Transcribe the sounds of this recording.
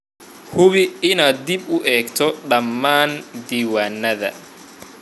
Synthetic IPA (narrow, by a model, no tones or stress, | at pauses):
hʊβɪɪnaːd̪d̪ɪbʊʔɛːɡt̪ʰɔɖɐmːaːnd̪iːwaːnːɐðɐ̰